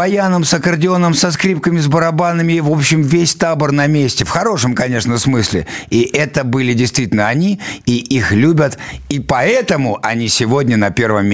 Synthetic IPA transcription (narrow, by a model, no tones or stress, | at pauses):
ɐjanəmsɐkərdʲɪo̞nəmsɐskɾʲip̚kəmʲɪzbəɾɐbanəmʲɪvo̞pɕːɪmvʲesʲt̪abərnɐmʲesʲtʲɪfxɐɾo̞ʂəmkɐnʲe̞ʂnəsmɨsʲlʲɪ̰iʔɛt̪əbɨlʲɪdʲɪjst̪vʲitʲɪlnəɐnʲiiʔixlʲubʲət̪ipɐɛt̪əmʊʔɐnʲisʲɪvo̞dʲnʲənɐpʲe̞rvəmʲː